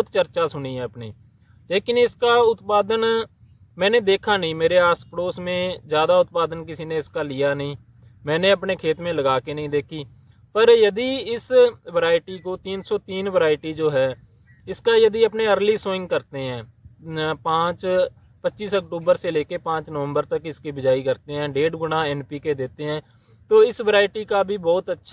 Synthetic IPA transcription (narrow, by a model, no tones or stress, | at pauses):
t̪t͡ʃəɾt͡ʃaːsʊniːɦɛːəpniː | leːkɪnɪskaːʊt̪paːd̪ən | mɛ̃ːnẽːd̪eːkʰaːnəĩːmeːɾeːaːspɽoːsmẽːzjaːd̪aːʊt̪̚paːd̪ənkɪsiːnẽːɪskaːlɪjaːnəɦĩː | mɛ̃ːnẽːəpneːkʰeːt̪mẽːləɡaːkeːnəɦĩd̪eːkʰiː | pəɾjəd̪iːɪsʋəɾaːɪʈikot̪iːnsɔːt̪iːnʋəɾaːɪʈid͡ʒoːɦɛː | ɪskajəd̪iəpneəɾliːsʊɪ̃ŋɡ̚kəɾt̪eɦɛ̃ː | pãːt͡ʃ | pətːʃiːsəkʈuːbəɾseleːkepãːt͡ʃnəʋə̃mbəɾt̪əkɪskibɪd͡ʒaːikəɾt̪eɦɛ̃ːɖeːɖɡʊɽãːɛːnpiːked̪eːt̪eɦɛ̃ː | t̪oːɪsʋəɾaːɪʈikabʱibɔːt̪ətːʃʰ